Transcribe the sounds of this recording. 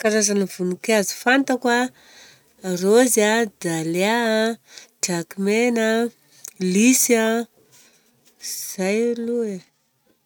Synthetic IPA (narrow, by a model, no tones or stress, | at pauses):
kaɾazanəv̥unukazifant̪akwa | rozad̪alea | d͡ʒakimena | lisa | z̥ajlue